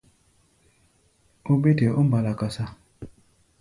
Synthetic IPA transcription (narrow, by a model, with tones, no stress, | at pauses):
o˦be˦te˨ʔo˦m˦ba˨la˨ka˨sa˦